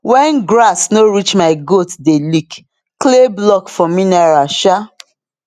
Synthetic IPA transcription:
wɛ̃nɡɾasnoɹit͡ʃmaɪɡotdelik | kleblɔkfɔ̃mĩnaɹaʃa

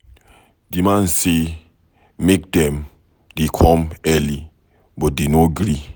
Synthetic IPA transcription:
d̥imãn̩se | mek̚dɛm | dekʰɔmɛli | bɔdenoɡɾi

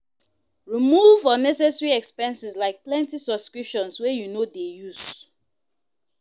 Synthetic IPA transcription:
ɹimuvɔnɛs̬ɛsɹiɛkspɛ̃nsislaɪk̚plɛ̃ntisɔbskɹipʃɔ̃nswɛjunodejuz

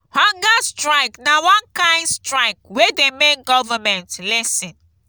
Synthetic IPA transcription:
hɔ̃ŋɡastɹaɪknawãnkãɪ̃ndstɹaɪk̚wedemek̚ɡɔvamɛ̃ntlɛsĩn

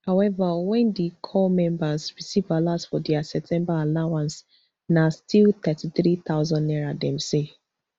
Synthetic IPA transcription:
hawɛvawɛ̃ndekʰɔmɛ̃mbasɹisivalasfɔdɛasɛp̚tʰɛ̃mbaalawãns | nastʰilt̪ɛtiθɹit̪aʊzɔ̃nːɛɹadɛ̃mse

